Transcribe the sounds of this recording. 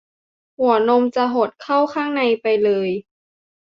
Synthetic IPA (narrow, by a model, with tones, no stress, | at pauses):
hu˨˩˦no˧mt͡ɕa˨˧˩ɦo˨˩t̪̚kʰa˥˩wkʰaː˥˩ŋna˧jpa˧jlɤː˧j